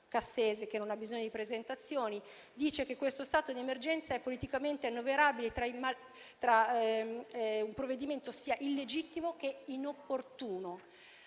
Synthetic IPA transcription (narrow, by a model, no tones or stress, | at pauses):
kasːeːzek̟enːonabːizoɲːod̪ipɾezent̪at̪sːjoːni | d̪iːt͡ʃekekːwest̪ost̪aːt̪od̪iemerd͡ʒɛnt̪saɛpːolit̪ikament̪eanːoveɾaːbilet̪ɾaima | t̪ɾa | umpɾovːed̪iment̪osiːaʔilːed͡ʒit̪ːimok̟einopːort̪uːno